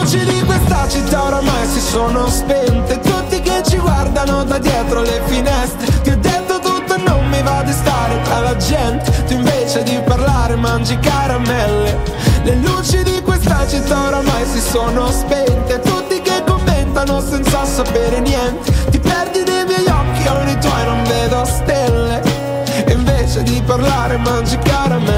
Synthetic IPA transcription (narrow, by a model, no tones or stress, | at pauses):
t͡ʃid̪ikwest̪at͡ʃit̪ːaoɾamajsisoːnospɛnt̪et̪ut̪ːiket͡ʃːiɡward̪anod̪ad̪jɛːt̪ɾolefinɛst̪ɾek̪iɔd̪ːet̪ːot̪ut̪ːonommivad̪ist̪aːɾet̪ɾalad͡ʒɛnt̪et̪uiɱveːt͡ʃed̪iparlaːɾemand͡ʒikaɾamɛlːe | lelut͡ʃid̪ikwest̪at͡ʃit̪ːaoɾamajsisoːnospent̪et̪ut̪ːikekːomːent̪anosɛnt̪sasapeːɾenjɛnt̪et̪ipɛrd̪inejmjɛjɔk̟ːionit̪wɔjnoɱveːd̪oast̪elːe | iɱveːt͡ʃed̪iparlaːɾemand͡ʒikaɾamɛ